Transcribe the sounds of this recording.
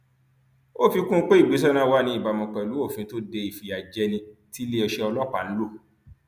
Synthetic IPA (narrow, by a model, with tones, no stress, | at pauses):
o˦˨fi˧kũ˦k͡pe˦i˦˨ɡ͡bi˨˦s̬ɛ˦nã˦˧wa˦nĩ˧i˦˨ba˨mɔ̃˨kã˨lu˨˦o˦˨fĩ˧˦to˦de˧i˨fi˨a˨d͡ʒɛ˧˦nĩ˧ti˦le˦ɔ˧ʃɛ˦ɔ˧lɔ˦k͡pa˨ñ̩˦lo˦˨